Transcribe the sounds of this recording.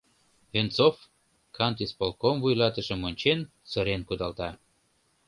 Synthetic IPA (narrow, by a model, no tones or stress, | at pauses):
vent͡sof | kʰɑnt̪ispolkomvujlɑt̪əʃə̆monʲt͡ɕen | səɾenkud̪ɑlt̪ɑ